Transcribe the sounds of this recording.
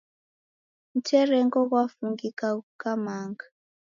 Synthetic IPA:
m̩tɛrɛŋɡɔɣwafuŋɡikaukamaːŋɡa

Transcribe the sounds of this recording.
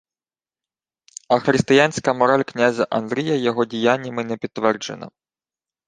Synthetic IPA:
ɐxɾɪst̪ɪjanʲsʲkɐmɔɾɑlʲknʲazʲɐʔɐnd̪ɾʲijɐjɔɦɔdʲijanʲːɐmɪnɛpʲit̪ːʋɛrd͡ʒḛnɐ̰

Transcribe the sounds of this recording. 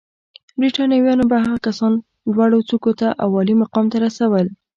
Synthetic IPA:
bɾiʈɑnjɑwjɑnobaɦaɣakasɑn | lwɑɽot͡sukot̪aʔawɑlimaqɑmt̪aɾasawəl

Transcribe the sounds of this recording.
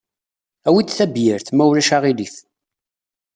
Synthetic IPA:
æwit͡sːθæbjəɾθmæwɾæʃaʁiliθ

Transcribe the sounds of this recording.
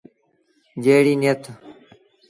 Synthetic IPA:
d͡ʑeːɽiːnjɐt̪

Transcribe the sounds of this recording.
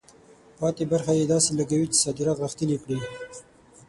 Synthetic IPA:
pɑt̪ebaɾxajed̪ɑselaɡawit͡ʃe̥sɑd̪ɪɾɑt̪ɣəxt̪ənikɽi

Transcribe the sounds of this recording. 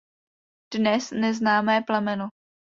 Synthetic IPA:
d̥nɛsnɛznaːmɛːplɛmɛno

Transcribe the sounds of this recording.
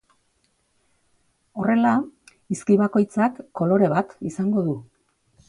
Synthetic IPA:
o̞re̞la | iskiβako̞jt͡sakːo̞lo̞ɾe̞βat̪isaŋɡo̞ðu

